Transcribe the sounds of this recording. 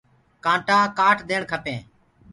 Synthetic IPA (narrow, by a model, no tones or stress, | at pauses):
kãːʈãːkaːʈd̪eːɳkʰəpẽː